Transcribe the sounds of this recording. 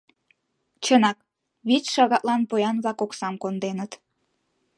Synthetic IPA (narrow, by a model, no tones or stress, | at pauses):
t͡ɕənɑk̚ | βit͡sʃɑɣɑʔ̪lɑnpojɑnβlɑkoksɑmkond̪enət̪